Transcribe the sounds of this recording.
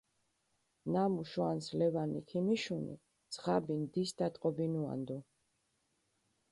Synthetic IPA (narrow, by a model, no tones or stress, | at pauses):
namuʃwanslɛvanḭkʰimiʃunḭ | sχabind̪isd̪at̪ʼqʼɔbinua̰nd̪u